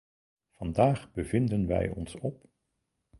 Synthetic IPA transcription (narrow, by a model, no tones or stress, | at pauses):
v̥ɑndaːχbəvɪndənʋɛ̰jɔ̰nsɔp